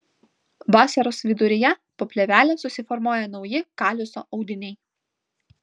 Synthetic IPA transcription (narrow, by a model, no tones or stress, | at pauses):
bɑːsʲɛɾosʋʲɪd̪ʊɾʲɪjɛpoːpʲlʲɛʋʲæːlʲesʊsʲɪfɔɾmoːjɛnɒʊjɪkɑːlʲʊso̰ːʔɒʊd̪ʲɪnʲɛɪ